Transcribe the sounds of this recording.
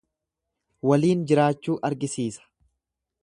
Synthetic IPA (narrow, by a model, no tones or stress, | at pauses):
wɐliːnd͡ʒɪɾaːt͡ʃːuːʔɐɾɡɪsiːsɐ̥